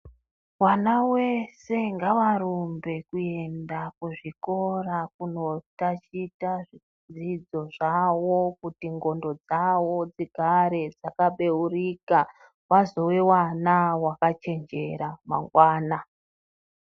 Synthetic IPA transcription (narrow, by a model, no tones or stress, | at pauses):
wanawe̞se̞ŋɡaʋaɾumbe̞kue̞ndakuʐiko̞rakuno̞tat͡ʃitaʐi | d͡zid͡zo̞ʐawo̞kutiŋɡo̞ndo̞d͡zawo̞d͡ziɡʱaɾed͡zakaɓe̞urika | wazo̞we̞wanawakat͡ʃe̞nd͡ʒe̞̰ɾama̰ŋɡwaːna